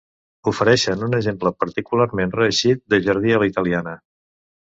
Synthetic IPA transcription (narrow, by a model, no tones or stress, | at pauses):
ufəɾɛʃənunəʒempləpəɾt̪ikularmenrəːʃit̪̚d̪əʒəɾð̞iəlit̪əlˠianə